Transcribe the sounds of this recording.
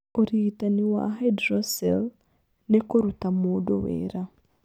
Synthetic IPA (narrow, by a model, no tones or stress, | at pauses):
oɾiitaniwa̰ɦedɾosel | nekoɾutamoːdo̰wḛːɾa